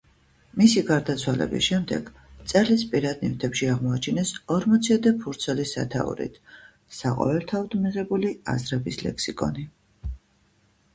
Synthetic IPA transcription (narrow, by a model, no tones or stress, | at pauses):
misiɡaɾd̪at̪sʰwalɛ̰bḭsʃɛmd̪ɛ̰ɡ̥ | t̪sʼɛlispʼiɾad̪̚nift̪ʰɛpʃiaʁmɔat͡ʃʰinɛsɔɾmɔt̪sʰiɔd̪ɛpʰuɾt̪sʰɛlisa̰t̪ʰa̰ṵɾḭt̪ʰ | saqʼɔ̰vɛlˠt̪ʰaɔd̪miʁɛbulia̰zɾɛbislɛ̰ksikʼɔ̰ni